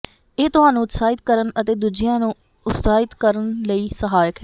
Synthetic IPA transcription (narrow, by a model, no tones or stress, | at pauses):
eːt̪ʊɦaːnũːʊt̪saːɪt̪kəɾənət̪eːd̪ud͡ʒɪjãːnũː | ʊt̪saːɪt̪kəɾənləiːsəɦaːjəkɦɛ